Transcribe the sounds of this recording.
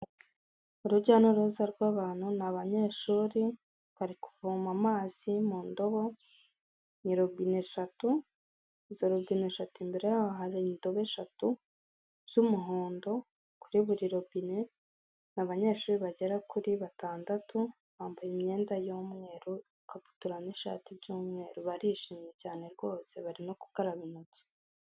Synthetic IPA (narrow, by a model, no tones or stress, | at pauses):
uɾuɟaːnoɾozaɾɡwaːβaːn̥hunaβaɲe̞ːʃuːɾi | kaɾiku̥vuːmamaːz̥imuːndo̞βo̞ | ɲiɾobine̞ʃatu | zoɾoɡine̞ʃatuimbe̞ɾe̞jaβaɦaɾendo̞βe̞ʃatu | z̥umuɦoːndo̞ | kuɾiβuɾiɾo̞bine̞ | naβaɲe̞ːʃuːɾiβaɟe̞ɾakuɾiβataːndatʰu | βaːmbajimɲe̞ːndajomŋe̞ːɾu | kapu̥tuɾaniʃa̰tibɟuːmŋe̞ːɾuβaɾiʃimɲe̞caːne̞ɾɡo̞ːse̞̰βaɾimoku̥kaɾaβinut͡se̥